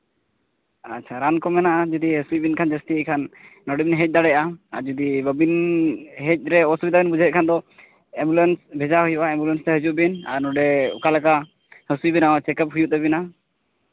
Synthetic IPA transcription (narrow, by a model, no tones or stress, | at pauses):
atːt͡ʃʰaɾankɔmɛnaʔad͡ʒud̪iɦəsujbinkʰand͡ʒəst̪ikʰanːɔɖɛbinɦɛc̪̚ˀd̪aɽɛjaaɾd͡ʒud̪ibəbinɦɛc̚ˀɾɛɔsubid̪abinbud͡ʒʱaət̪̚kʰand̪ɔ | ɛmbulensbʱɛd͡ʒaɦujuʔaɛmbulənsɾɛɦəd͡ʒuʔbina̰ɾnɔɖɛɔ̰kalɛka | həsujbinaɔt͡ʃɛkəp̚ɦujuʔt̪ɛbina